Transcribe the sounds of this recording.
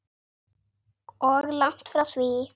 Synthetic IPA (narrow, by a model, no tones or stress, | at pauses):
ɔɣlaŋ̥t̪fɾawθvi